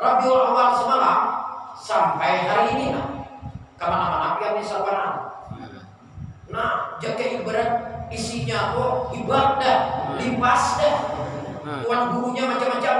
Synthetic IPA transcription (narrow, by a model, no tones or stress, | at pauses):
labiolowalsəmalasampaiɦaɾiːnina | kamanamanapianisaluwananu | nad͡ʒakɛibəɾən̚isiɲakoibət̪̚dəhlipasdəh | wanɡuɾuɲamat͡ʃamːat͡ʃam